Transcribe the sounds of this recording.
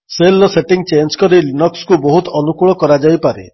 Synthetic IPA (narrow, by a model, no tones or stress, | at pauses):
selːɔseʈiŋt͡ʃend͡ʒkɔɾilinɔkskubɔɦut̪ɔnukuɭɔkɔɾad͡ʒajpaɾḛ